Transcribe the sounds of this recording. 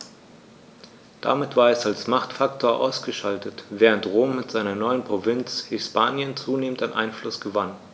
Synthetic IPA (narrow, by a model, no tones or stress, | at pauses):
d̥a̰mɪtv̥aːɐɛsalsmaχtfaktʰoːɐʔaʊsɡ̥əʃaltʰətv̥ɛːʁ̞əntʁoːmːɪtz̥aɪnɐnɔʏənpʁ̥ovɪnt͡shɪspʰaːnjənt͡suːneːmən̩taɪnʔa̰ɪnflʊsɡ̥əvan